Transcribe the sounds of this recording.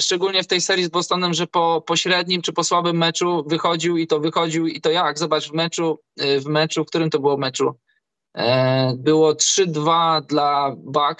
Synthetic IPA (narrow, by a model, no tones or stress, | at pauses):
ʂt͡ʂɛɡulɲɛft̪ɛjsɛɾʲjizbɔst̪ɔnɛmʐɛpɔpɔɕɾɛd̪̚ɲimt͡ʂɘpɔswabɘmːɛt͡ʂuvɘxɔd͡ʑiwit̪ɔvɘxɔd͡ʑiwit̪ɔjaɡzɔbat͡ʂvmɛt͡ʂu | vmɛt͡ʂufk̚t̪uɾɘmt̪ɔbɘwɔvmɛt͡ʂṵ | bɘwɔtʂɘd̪vad̪labak